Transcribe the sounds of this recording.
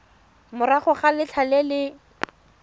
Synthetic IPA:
mʊɾaχʊχalɪt͡ɬʰalɛlɪ

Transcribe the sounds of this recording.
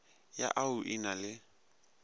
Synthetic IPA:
ja̰ʔaʊʔinalɪ

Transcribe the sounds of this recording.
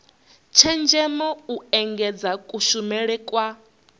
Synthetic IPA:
t͡ʃʰɛnd͡ʒɛmɔuɛŋɡɛd͡zakʼuʃumɛɺɛkʼwa

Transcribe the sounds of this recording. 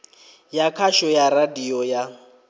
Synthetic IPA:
jakʰaʃɔjaradiɔja

